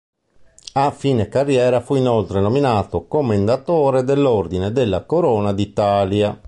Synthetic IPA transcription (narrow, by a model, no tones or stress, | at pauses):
afiːnekarːjɛːɾafuinolt̪ɾenominaːt̪okomːend̪at̪ɔːɾed̪ɛlːoɾd̪ined̪elːakoɾɔːnad̪it̪aːlja